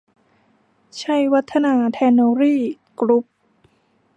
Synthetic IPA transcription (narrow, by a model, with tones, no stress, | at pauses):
t͡ɕʰa˧˥˩jwa˦˥t̪ʰːa˧naː˧t̪ʰɛː˧nːoː˧ɾiː˥˩ | klu˦˥p̚